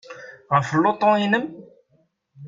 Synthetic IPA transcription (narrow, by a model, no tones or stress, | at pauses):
ʁəfəlːot̪ˤɔ̃inəm